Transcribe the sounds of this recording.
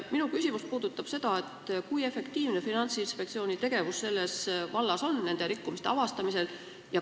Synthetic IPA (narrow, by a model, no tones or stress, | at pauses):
minukysʲimuspuːd̪̥ut̪ːˑɑb̥se̞d̪̥ɑe̞t̪ːˑkuje̞fe̞kt̪iːvne̞finɑnt̪sinspekt̪sio̞ːnʲit̪e̞ɡ̥e̞vusːe̞lːe̞svɑlːɑso̞nnːe̞nd̪̥e̞ɾikːumist̪eɑvɑst̪ɑmise̞l | jɑ